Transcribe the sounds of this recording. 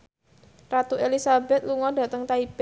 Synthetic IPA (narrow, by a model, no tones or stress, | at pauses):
rat̪uelisabɛt̪̚luŋɔd̥a̤t̪əŋt̪aib̥